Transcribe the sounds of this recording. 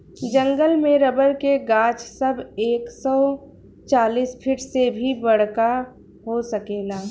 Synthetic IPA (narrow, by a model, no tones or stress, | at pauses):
d͡ʒə̃ŋɡəlmẽɾəbəɾkeɡaːt͡ʃsɐbeːksɔː | t͡ʃaːliːspʰɪʈsebʱibɐɽ̤ka | ɦosəkeːɡaː